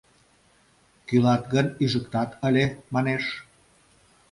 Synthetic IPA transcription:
kylɑt̪ɣənyʒəkt̪ɑt̪əlʲemɑneʃ

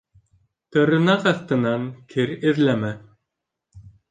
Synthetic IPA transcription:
t̪ɤ̆ɾɤ̆nɑqɑθt̪ɤ̆nɑŋkʰɘɾɘ̆ðlæmæ

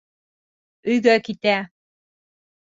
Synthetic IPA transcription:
ɵ̆jɡœkit̪æ

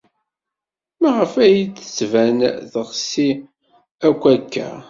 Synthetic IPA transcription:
maʁəfæjt͡sːə̥t͡sːvænðəʁsi | ækʷːækːæ̰

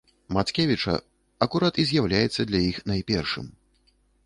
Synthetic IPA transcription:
mat̪skʲɛvʲit͡ʂɐ̰ | ɐkuɾat̪izʲjawlʲajɛt̪sːɐd̪lʲajixnajpʲɛrʂɨ̰m

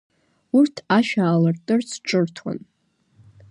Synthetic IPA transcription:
urtʰaʃᶣaːlɨrtʼɨrt͡sʰʈ͡ʂʼɨrtʰwa̰n

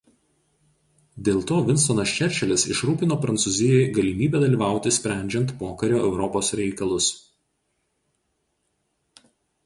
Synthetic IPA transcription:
d̪ʲeːlˠt̪oːʋʲɪnst̪oːnɐst͡ʃʲɛɾʲt͡ʃʲɛlʲɪsɪ̰ʃɾuːpʲɪnoːpɾɐnt̪suzʲɪjɛjɡɐlʲɪmʲiːbʲɛːd̪ɐlʲiːʋɑˑʊt̪ʲɪsʲpʲɾʲæˑnʲd͡ʒʲɛnt̪poːkɐɾʲoːɛʊɾɔpoːsɾʲɛɪkɐlˠʊs

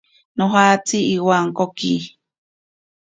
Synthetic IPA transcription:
noɦat͡siiwaŋkoki

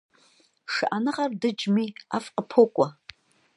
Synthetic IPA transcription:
ʂɨʔanɨʁardɨd͡ʒmiafqəpʰokʷʼɔ

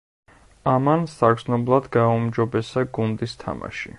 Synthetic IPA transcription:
amansaɡznɔblˠad̪ɡaumd͡ʒɔbɛsaɡund̪ist̪ʰa̰ma̰ʃḭ

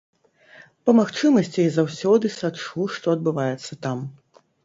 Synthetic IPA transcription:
pɐmaxt͡ʂɨmɐsʲt͡sʲizawsʲɔd̪ɨsat͡ʂuʂt̪ɔɐd̪̚bɨvajɛt̪sːɐt̪am

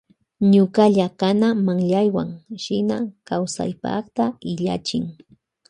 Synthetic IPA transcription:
ɲʊkaʎakanamaŋʎajwaŋʃɪna̰kawsa̰jpɑ̰χt̪aɪʎa̰t͡ʃɪŋ

